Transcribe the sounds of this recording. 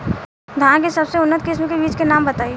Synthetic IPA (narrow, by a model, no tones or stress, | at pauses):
d̪ʱãkesɐbseʊnːət̪kɪsmkebiːd͡ʒkenaːmbət̪aːi